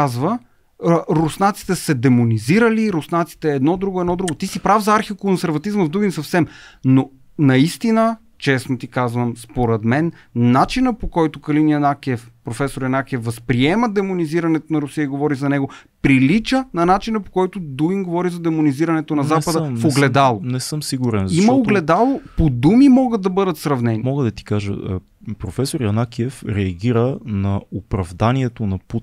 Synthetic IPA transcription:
azvə | ɾosnat̪si̥t̪ɛsɛd̪ɛmoniziɾəliɾosnat̪si̥t̪ɛːd̪nɔd̪ɾuɡoɛd̪nɔd̪ɾuɡot̪isipɾavzɐaɾxikonsɛɾvɐt̪izməvd̪uɡinsɐfsɛmno | nɐist̪inə | t͡ʃɛsnot̪ikazvəmspoɾɛd̪mɛn | nːat͡ʃinəpokɔjt̪okɐlinjɛnakɛfpɾofɛsoɾjɐnakɛfːɐspɾiɛməd̪ɛmoniziɾɐnɛt̪onɐɾʊsijəiɡovɔɾizɐnɛɡo | pɾilit͡ʃənɐnat͡ʃinəpo̥kɔjt̪ʊd̪uinɡovɔɾizɐd̪ɛmoniziɾɐnɛt̪onɐzapədd̪əfoɡlɛd̪alˠonɛsəmsiɡuɾɛnzɐimɐoɡlɛd̪alˠopod̪umimɔɡəd̪ɐbɤd̪ət̪sɾɐvnɛnimɔɡəd̪ɐt̪i̥kaʒə̰ | pɾofɛsoɾjɐnakiɛfɾɛɐɡʲiɾənɐopɾɐvd̪aniɛt̪onɐput̪

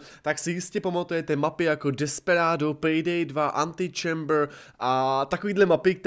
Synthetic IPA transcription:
t̪aksɪjɪscɛpomat̪ujɛt̪ɛmapɪjakodɛspɛɾaːdopɾidɛjdvaʔant̪ɪt͡ʃɛmbɾ | ʔat̪akoviːdlɛmapɪk̚t̪

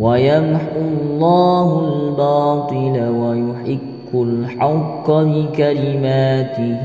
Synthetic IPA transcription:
wajamħʊlˤːɑːhʊlbɑːt̪ˤɨlawajʊħɪkːʊlħaqːɑbɪkalɪmaːt̪ɪ

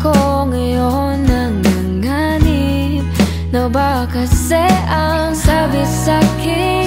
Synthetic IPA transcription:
kɔ | ŋijɔ | naŋːaŋani | nabakasɛʔa | ŋsabɪsaki

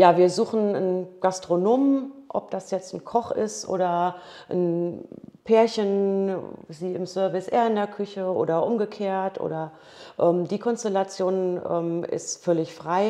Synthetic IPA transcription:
jaːviːɐzuːχn̩ənɡ̥astʁ̥onoːmʔɔ̰p̚d̥asjɛt͡stn̩kʰɔχɪ̰stʔo̰ːdɐʔn̩ | pʰeːɐçən | ziːɪmsœɐvɪsʔḛːɐɪndeːɐkʰʏçəʔo̰ːdɐʔʊmɡəkʰeːɐtʔo̰ːdɐ | ʔɛːmdiːkʰɔnstɛlat͡sjoːnʔɛ̰ːmʔɪ̰stfœlɪçfʁ̥aɪ

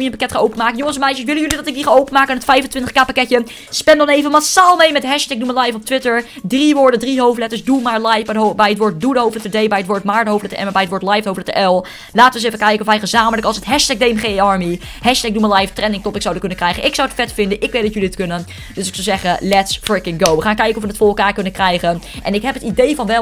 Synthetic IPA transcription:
miənpakɛtχanʔowpənmaːkənjoŋənsɛnmɛjʃəsʋɪlənjʏlidɑtɪɡ̚diχanowpənmaːkənɪnətfɛjvəntʋɪntəχkaːpakɛtjə | spɛndɔnejvəmasaːlˠmejmɛtɦɛʃtɛk̚duməlɛjfɔp̚tʋɪtəɹdriʋʊːɹdədriɦowflɛtəɹsdumaɹlajfbɛjətʋʊːɹt̚dudəɦowflɛtədejbɛjətʋʊːɹtmaːɹdəɦowflɛtəɛ̰mbɛjətʋoːɹtlajfdɦowflɛtəʔɛlˠ | laːtəʋəns̬ejvəkɛjkənɔfʋɛjχəzaːmələkɑlˠsətɦɛʃtɛɡ̚dejmχeɑɹmi | ɦɛʃtɛk̚duməɹlɛjftrɛndɪŋktɔpɪksawdəkɵnəkrɛjχənʔɪksawətfɛtfɪndəʔɪkʋejtd̥ɑtjɵliətkɵnən | døsɪksɔwzɛχəlɛtsfɹɪkɪnɡowʋəχaːnkɛjkənɔfʋənətfʊːɹrɛlˠkaːɹkɵnəkrɛjχənʔɛ̰nɪkɦɛpətidejvɑnʋɛ

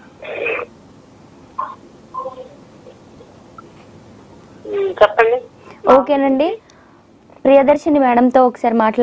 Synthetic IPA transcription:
t͡ʃɛpːɐɳɖioːkeːnɐɳɖi | pɾijɐd̪ɐɾʃɐnɐʋɛːɽɐmt̪o̞ːokɐ̥saːɾimaːʈɐl

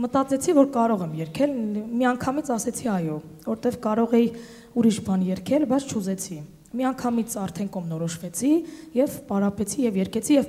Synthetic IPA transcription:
mət̪ɑt͡sɛt͡sʰivɔɾkɑɾɔʁɛmjɛɾkʰɛlmiɑŋkʰɑmit͡sʰɑsɛt͡sʰiɑjɔvɔɾɛt̪ɛvkɑɾɔʁɛji | uɾiʃbɑnjɛɾkʰɛlbɑjt͡sʰt͡ʃʰuzɛt͡sʰi | miɑŋkʰɑmit͡sʰɑɾt̪ʰɛnkɔmnɔɾɔʃvɛt͡sʰijɛvpɑɾɑpɛt͡sʰijɛvjɛɾkʰɛt͡sʰijɛv

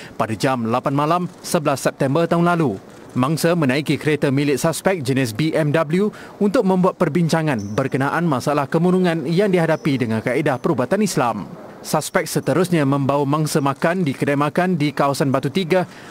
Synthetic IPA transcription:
padad͡ʒamlapanmãlamsəbəlasːɛp̚t̪ɛmbərt̪aɦunlalu | mãŋsəmə̃nãikikɾet̪əmilɪt̪̚saspɛk̚d͡ʒənɪs̬biʔɛmdablju | unt̪ʊk̚mə̃mbuat̪̚pərbiɲt͡ʃaŋãnbərkənaʔanmãsalahkəmũɾuŋãnjaŋdiɦadapidəŋãnkaʔedahpəɾubat̪anislam | saspɛk̚sət̪əɾʊsɲãmə̃mbawamãŋsəmãkandikədajmãkandikawasanbat̪ut̪iɡa

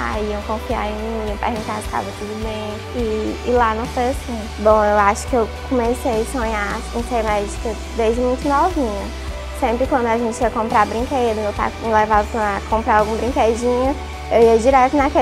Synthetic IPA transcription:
a̰iɐ̃w̃kõfia̰ɾẽiɐpḛhɡũt̪aɾki̥ʃt̪a̰vɐt̪ud̪ʊbẽj̃ | ɪːlanɐ̃w̃fojasĩ | bõewaʃʊ̥kɪewkʰõmesejsõɲa | ẽseɾmɛd͡ʒikɐ | d̪ezd͡ʒɪmũj̃t̪ʊnovĩɲɐ | sẽmpɾɪkwɐ̃nd̪ʊaʒẽnt͡ʃɪiɐkõmpɾabɾĩŋked̪ɐ̃ewt̪ã̰lɛvasakõmpɾaɾawɡũbɾĩked͡ʒĩɲɐ | ewiɐd͡ʒiɾɛt̪ʊnake

